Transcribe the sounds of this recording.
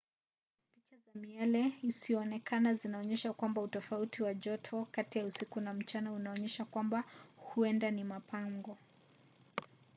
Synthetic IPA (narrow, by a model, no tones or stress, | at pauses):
pit͡ʃazamialɛisiɔːnɛkanazinaɔɲɛʃakwambautɔfautiwaʄɔtʰɔkatijausikunam̩t͡ʃanaunaɔɲɛʃakwambahuɛndanimapaŋɡɔ